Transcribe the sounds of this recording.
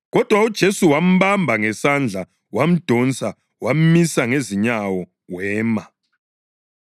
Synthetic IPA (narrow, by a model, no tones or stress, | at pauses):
ɣɔd̥ʱwaud̥ʒ̥ʱesuwam̩βambʱaŋɛsand͡ɮʱa | wam̩d̥ʱɔnt͡sʼa | wam̩misaŋeziɲawɔ | wɛːma